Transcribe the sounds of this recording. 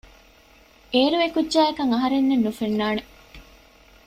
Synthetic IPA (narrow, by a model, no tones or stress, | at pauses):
eːɾuekudd͡ʒæːekɐŋɐɦɐɾenːenːufenːaːne